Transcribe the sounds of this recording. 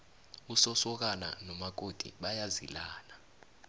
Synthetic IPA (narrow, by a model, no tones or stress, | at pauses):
usɔsɔk̬ana̰nɔmak̬ʼod̥ʱḭɓajazḭlaːna